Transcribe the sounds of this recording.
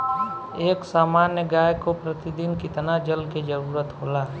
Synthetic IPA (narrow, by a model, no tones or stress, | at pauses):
eːksaːmaːnjəɡaːjkopɾət̪id̪ɪnkɪt̪nad͡ʒəlked͡ʒəɾuːɾət̪ɦoːlaː